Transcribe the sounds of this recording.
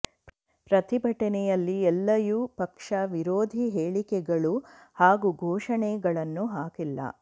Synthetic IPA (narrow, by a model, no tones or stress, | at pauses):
pɾɐt̪ibʱɐʈɐnɛjɐlːiɛlːɐjuːpɐkʂɐʋiɾoːd̪ʱiɦeːɭikɛɡɐɭuhaːɡuɡʱɔːʂɐɳɛɡɐɭɐnːuɦaːkilːɐ̰